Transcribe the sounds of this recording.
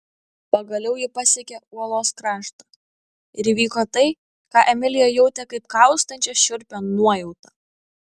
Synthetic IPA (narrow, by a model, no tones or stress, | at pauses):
pɐɡɐlʲɛʊjɪpɐsʲɛkʲɛuɔlˠoːskɾɑːʃt̪ɐ | ɪɾiʋʲiːkoːt̪ɐɪ | kɑːʔɛmʲɪlʲɪjoːjɛʊt̪ʲɛkɐɪp̚kɐˑʊst̪ɐnʲt͡ʃʲɛʃʲʊɾʲpʲonuɔjɛʊt̪ɐ